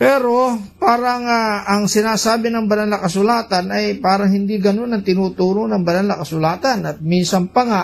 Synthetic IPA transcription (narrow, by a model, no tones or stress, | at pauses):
pɛːɾo̞paːɾɐŋaɐŋsɪnaːsaːbɪnɐŋbɐnanlːakɐsʊlaːt̪anɐjpaːɾɐŋhɪnd̪iɡɐno̞nɐŋt̪ɪnuːt̪uːɾonɐŋbɐnalːɐkɐsʊlaːt̪ɐnɐt̪̚minsɐŋpɐŋa